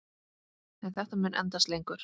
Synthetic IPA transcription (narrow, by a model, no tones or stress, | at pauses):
ɛnθɛht̪amʏːnʔɛ̰nt̪aslejŋkʏɾ̥